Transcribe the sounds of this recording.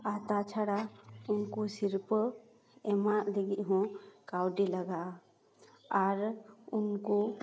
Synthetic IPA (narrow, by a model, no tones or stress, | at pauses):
at̪at͡ʃʰaɽaʊnkosiɾp | ɛmaʔd̪ɛɡiʔɦɔ̃kawɖilaɡa | aɾʊnko